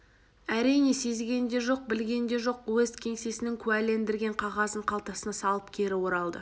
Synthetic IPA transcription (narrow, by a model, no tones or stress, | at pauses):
æɾijne̞se̞zɡʲe̞nd̪e̞ʒo̞q̚bɪlɡʲe̞nd̪e̞ʒo̞qwɵzkʲʰe̞ŋse̞sɪnɪŋkʲʰʉæle̞nd̪ɪɾɡʲe̞ɴqʰɑʁɑzəɴqʰɑlˠt̪ɑsənɑsɑlˠəpkʲʰe̞ɾɪwo̞ɾɑlˠd̪ə̰